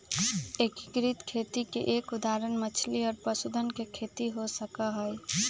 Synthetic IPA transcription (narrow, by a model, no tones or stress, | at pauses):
eki̥kɾit̪kʰet̪ikḛʔekud̪aɾənmət͡ʃʰliɔːɾpəsud̪ʱənkekʰet̪iɦosəkəɦəj